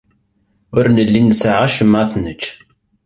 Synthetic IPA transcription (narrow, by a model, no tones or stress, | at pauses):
ʊɾnəlːinəsaʕæʃəmːʕaθnət͡ʃː